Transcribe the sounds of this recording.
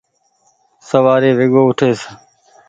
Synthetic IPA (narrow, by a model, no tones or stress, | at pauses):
səʋaːɾeːʋɪɠoːʊʈʰeːs